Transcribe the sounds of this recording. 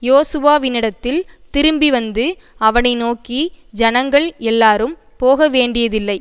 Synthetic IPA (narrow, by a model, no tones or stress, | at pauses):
joːsɯʋaːʋɪnːɪɽɐt̪ːɪlt̪ɪɾɯmbiʋɐnd̪ɯ | ɐʋɐnɐɪnoːki | d͡ʒɐnɐŋɡɐɭɛlːaːɾɯm | poːɣɐʋeːɳɖɪjɐðɪlːɐɪ